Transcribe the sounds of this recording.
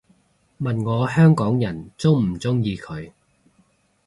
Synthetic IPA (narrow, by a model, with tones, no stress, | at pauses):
mɐ˨nŋɔː˨˧hœː˥ŋkɔː˨˥ŋjɐ˨˩nt͡sʊ˥wm̩˨˩t͡sʊ˥ŋjiː˧kʰɵ˨˧ɥ